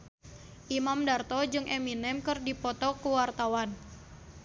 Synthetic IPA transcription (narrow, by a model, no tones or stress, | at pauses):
ʔimamdart̪ɔd͡ʒɨŋʔɛminɛmkɨrdipɔt̪ɔkuwart̪awan